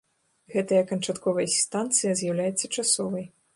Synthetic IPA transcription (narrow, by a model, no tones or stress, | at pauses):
ɣɛt̪ɐjɐkɐnt͡ʂat̪kɔvɐjɐsʲst̪ant̪sɨjɐzʲjawlʲajɛt̪sːɐt͡ʂasɔvɐj